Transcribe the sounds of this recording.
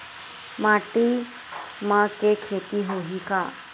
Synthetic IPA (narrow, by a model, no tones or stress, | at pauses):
maːʈi | mãkekʰet̪iɦoɦikaː